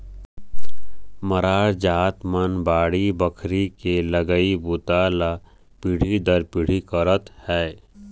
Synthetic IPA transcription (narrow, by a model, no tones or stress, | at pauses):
məɾaːɾd͡ʒaːt̪mənbaːɽibəkʰɾikeləɡəibʊt̪ala | piɽ̤id̪əɾpiɽ̤ikəɾət̪hɛː